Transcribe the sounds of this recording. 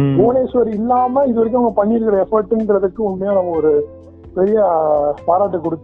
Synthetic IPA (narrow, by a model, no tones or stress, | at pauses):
ɡoːneːsʋɐɾɪlːaːmɐɪðɯʋɐɾɪk̬ʲːɐŋɡɐpɐɳːɪɪɾɯkːɪɾɐɛfɐɾʈːɪnɡɪɾɐðɯkːɯʊɳmɐjaːnɐmːɐɔɾɯ | pɛɾɪjɐpaːɾaːʈ̬ːɯkːɔɽɯt̪ː